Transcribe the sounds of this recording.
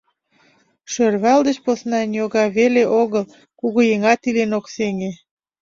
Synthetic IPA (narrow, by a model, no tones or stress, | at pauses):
ʃørβɑld̪ət͡ɕposnɑnjoɣɑβeleʔoɣəl | kuɣujeŋɑt̪ilenokseŋe